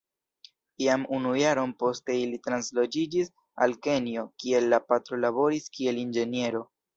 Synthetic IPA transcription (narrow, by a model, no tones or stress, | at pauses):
iamunujaɾo̞npo̞ste̞ilitɾanslo̞d͡ʒid͡ʒis | a̰lke̞nio̞kie̞lːapatɾo̞laβo̞ɾiskie̞lind͡ʒe̞nje̞ɾo̞